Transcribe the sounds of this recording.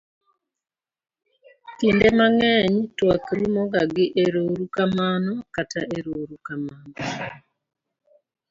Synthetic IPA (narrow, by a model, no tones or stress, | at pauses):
kiːndemaŋeːɲitwakiɾumoɡaɡiʔeɾoɾukamaːnokatʰa̰ʔeɾoɾukamaːno